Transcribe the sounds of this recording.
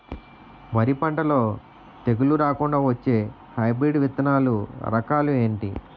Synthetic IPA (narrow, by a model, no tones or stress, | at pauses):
mɐɾipɐɳʈɐlo̞ː | t̪e̞ɡuluɾaːkuɳɖaːʋɐt͡ʃːe̞ː | hɐjbɾiːɖʋit̪ɐnaːluɾɐkaːlue̞ːɳʈi